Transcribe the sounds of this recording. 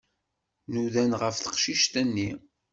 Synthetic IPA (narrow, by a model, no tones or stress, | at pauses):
nuðænʁəfθə̥qʃiʃt̪ænːi